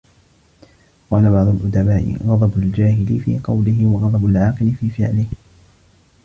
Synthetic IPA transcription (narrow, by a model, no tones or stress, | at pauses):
qɑːlabɑʕd̪ˤʊlʔʊd̪abaːʔɪ̰ɣɑd̪ˤɑbʊld͡ʒaːhɪlɪfḭːqɑwlɪɦɪwɑɣɑd̪ˤɑbʊlʕɑːqɨlɪfiːfɪ̰ʕlɪh